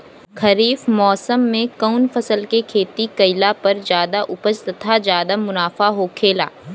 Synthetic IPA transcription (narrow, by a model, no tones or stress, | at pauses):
kʰɐɾiːfmɔːsəmːẽkaʊnfɐsəlkekʰeːt̪ikɐɪlapɐɾd͡ʒjaːd̪aʔʊpəst̪ɐt̪ʰad͡ʒjaːd̪amʊnaːfaɦokʰeːla̰ː